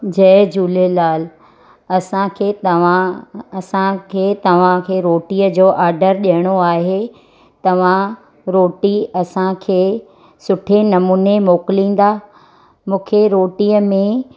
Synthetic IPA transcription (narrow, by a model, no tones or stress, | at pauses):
d͡ʑɐːd͡ʑuːlelaːl | ɐsãkʰeːt̪ɐʋ̤ãɐsãkʰeːt̪ɐʋ̤ãkʰeːɾoːʈiːəd͡ʑoːʔaːɾɖəɾɗiɦəɽ̃oaːɦe | t̪ɐʋ̤ã | ɾoːʈiɐsãkʰeː | sʊʈʰenɐmuːnemoːkɪlĩːn̆d̪aː | mũːkʰeɾoːʈiːəmẽ